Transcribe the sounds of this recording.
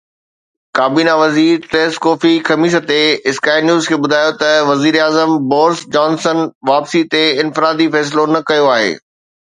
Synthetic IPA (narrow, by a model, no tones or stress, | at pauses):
kaːbiːnaʋɐziːɾt̪eːskɔːfixɐmiːʃət̪eɪskaːɪnjuːzkʰeːbʊd̪ʱaːjot̪ɐʋɐziːɾaːzəmbɔːɾsd͡ʑɔːnsənʋaːpsit̪eɪnfɪɾaːd̪ifɛːs̬lonɐkɐjoaːɦḛː